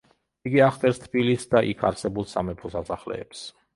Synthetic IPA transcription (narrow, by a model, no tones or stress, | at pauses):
iɡiaχt̪ʼɛɾst̪ʰbilisd̪aʔḭkʰa̰ɾsɛbulˠsamɛpʰɔsasaχlɛ̰ːps